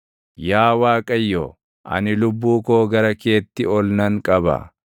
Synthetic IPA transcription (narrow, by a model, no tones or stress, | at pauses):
jaːwaːkʼɐjːo̰ | ʔɐ̰nɪlʊbːuːkoːɡɐɾɐke̞ːt̪ːɪɔlnɐŋkʼɐbɐ̰